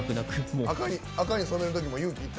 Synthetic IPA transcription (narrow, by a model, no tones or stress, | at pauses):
kɯnakɯmoakaɲi | akaɲ̟isoneɾɯt̪o̞k̬ʲimo̞jɯːkʲiːt̪ː